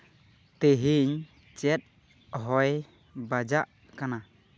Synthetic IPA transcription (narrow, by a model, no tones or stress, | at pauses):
t̪eɦiɲ | t͡ʃɛt̪̚ | ɦɔj | bad͡ʒaʔ | kana